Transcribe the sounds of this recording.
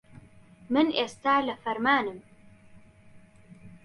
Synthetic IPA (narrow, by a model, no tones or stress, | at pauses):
mɨnʔeːst̪aːlɐfɐɾmaːnɨm